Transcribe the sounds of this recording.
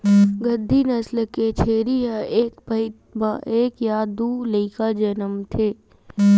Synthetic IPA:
ɡəd̪ʱːinəslket͡ʃʰeːɾijaeːkbəɪ | baʔeːkjaːd̪uləɪkad͡ʒənəmt̪ʰeː

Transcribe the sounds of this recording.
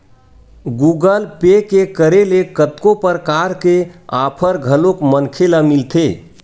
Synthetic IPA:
ɡuɡəlpekekəɾelekət̪kopəɾkaɾkea̰pʰəɾɡʱəlokmənkʰeləmilt̪ʰe

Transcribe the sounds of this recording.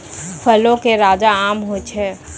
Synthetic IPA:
pʰəlõkeɾaːd͡ʒaaːmɦot͡ʃʰɛː

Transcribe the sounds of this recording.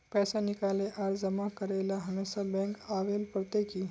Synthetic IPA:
pɛsanikaleʔaɾd͡zəmakəɾajlaɦəmesabɛ̃ŋkaʋelpɾət̪eki

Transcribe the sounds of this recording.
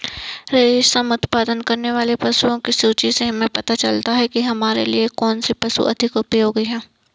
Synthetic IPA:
ɾeːʃsɐmʊt̪paːd̪ənkɐɾneʋaːlepɐsuõkisuːt͡ʃiseɦɐmẽpɐt̪at͡ʃɐlt̪aɦɛkiɦɐmaːɾḛliekɔːnsipɐsṵʔɐd̪ʱɪkʊpjoːɡiɦɛ̃ː

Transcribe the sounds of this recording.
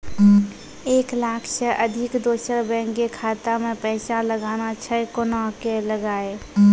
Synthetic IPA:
eːklaːkʰsəʔəd̪ʱɪkd̪oːsəɾbɛ̃ŋkekʰaːt̪amẽpəsaləɡaːnat͡ʃʰəkonɔɦkeləɡaːe

